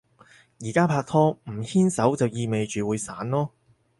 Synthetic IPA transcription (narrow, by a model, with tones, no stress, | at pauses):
jiː˨˩kaː˥pʰaː˧k̚t̪ʰɔː˥m̩˨˩hiː˥nsɐ˨˥wt͡sɐ˨wjiː˧me˨jt͡ʃyː˨wuː˨˧˥jsaː˨˥nlɔː˥